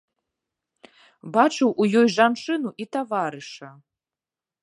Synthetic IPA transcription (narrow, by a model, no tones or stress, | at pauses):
bat͡ʂɨwʔujɔjʐant͡ʂɨnuʔit̪avaɾɨʂɐ